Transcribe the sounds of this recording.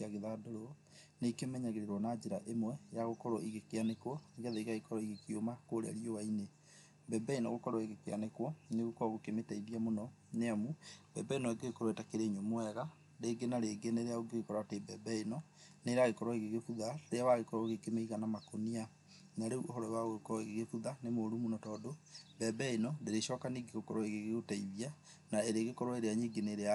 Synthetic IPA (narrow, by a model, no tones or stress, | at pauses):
aɣeðadoɾo | neikemɛɲaɣeɾeɾwɔnad͡ʑeɾaʔemwɛeɾaɣokɔɾɔiɣekeanekwɔeɡɛðeiɣaɣekɔɾɔiɣekiomakoːɾḛa̰ɾiowaine | bɛbɛinɔ̰ɣokɔɾwɔeɣekea̰nekwɔneɣokɔɣokemetaiɾiamonɔ | neamubɛbɛinɔeɡeɣekɔɾwetakeɾeiɲomoɛɣa | ɾeːɡenaɾeːɡeneɾeaoɡeɣekɔɾatebɛbɛinɔ | neɾaɣekɔɾɔeɣeɣefuðaɾeawaɣekɔɾɔɣekemeiɣanamakonia | naɾeuoɦɔɾɔwaɣokɔɾɔeɣeɣefuðanemoːɾumunɔtɔːdobɛbɛinɔdeɾeʃɔːkaniːɡeɣokɔɾɔeɣeɣeɣotaiβia | naeɾeːɣekɔɾwɔeɾeaɲiɡeneɾea